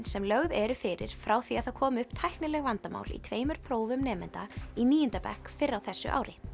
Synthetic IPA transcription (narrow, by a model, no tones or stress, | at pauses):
nsɛmlœɣðɛɾʏfɪɾɪ̰ɾ̥fɾawθiaðθaðkʰɔːmʏhpt̪ʰajhknɪlɛɣvant̪ama̰ːwlḭt̪ʰveːjmʏɾ̥pʰɾoːwvʏmnɛːmɛ̰nt̪aimiːint̪apɛ̰hkfɪrːawθɛsːʏ̰ʔa̰ːwɾɪ